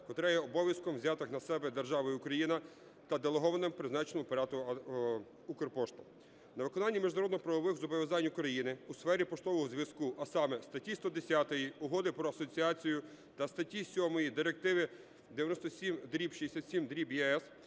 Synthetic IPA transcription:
kɔt̪ɾɛjɛɔbɔʋʲjɐskɔmwzʲɑt̪ɪxnɐsɛbɛd̪erʒɑʋɔjʊʊkɾɐjinɐ | t̪ɐd̪elˠeɦɔʋɐnɪmpɾɪznɑt͡ʃɪnɔmʊpɐɾʲɑt̪ʊ | ukɔrpɔʃt̪ʊ̥ | nɐʋɪkɔnɑnʲːimʲiʒnɐɾɔd̪nɦɔpɾɐʋɔʋɪxzʊbɔʋʲjɐzɑnʲʊkɾɐjinɪusfɛɾʲipɔʃt̪ɔʋɔɦɔzʲʋʲjɐskuʔɐsɑmɛst̪ɐtʲist̪ɔd̪esʲat̪ɔjiʊɦɔd̪ɪpɾɔɐsɔt͡sʲiɑt͡sʲijʊ | t̪ɐst̪ɐtʲisʲɔmɔjid̪ɪɾek̚t̪ɪʋɪ | d̪eʋjɐnɔst̪ɔsʲimd̪ɾʲipʃiesʲat̪sʲimd̪ɾʲibjɛɛs

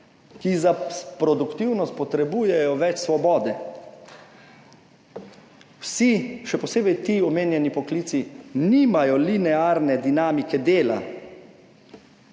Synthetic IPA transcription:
kizapɾɔd̪ukt̪iwnɔst̪̚pɔt̪ɾɛbuːjɛjɔʋɛt͡ʃsʋɔbɔːd̪ɛ | wsiʃɛpɔseːbɛjt̪iːɔmeːnjɛnipɔkliːt̪siniːmajɔlinɛaɾnɛd̪inaːmikɛd̪eːla̰

